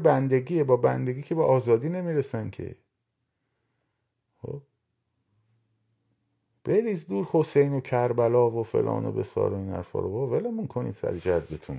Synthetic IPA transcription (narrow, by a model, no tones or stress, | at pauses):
bænd̪eɟiːebɒːbænd̪e̞ɡiːcʰebeʔɒːzɒːd̪iːne̞miːɾesæncʰḛ | xo̰ | b̥eɾizd̪uːɾho̞sejnocʰæɾbælɒːvofe̞̰lʔɒ̰ːno̰be̞̰sɒ̰ːɾoinhæ̰ɾfɒ̰ːɾovɒːvelemunkʰonḭd̪sæ̰ɾd͡ʒæz̚bet̪ʰun